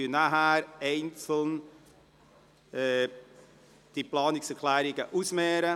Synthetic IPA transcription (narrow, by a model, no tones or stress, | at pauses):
inaɦæːɾɛɪnt͡sl̩n | ɛ | d̥iplɑːnɪksɛkʰlæːɾɪɡəʔusmɛːɾə